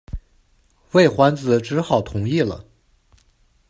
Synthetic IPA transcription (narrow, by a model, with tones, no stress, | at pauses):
we˥˩ɪxwa˧˥nd͡zɹ̩˧˩ʈ͡ʂɻ̩˧˥xɑ˨˩ʊt̪ʰʊ˧˥ŋi˥˩lə̰˩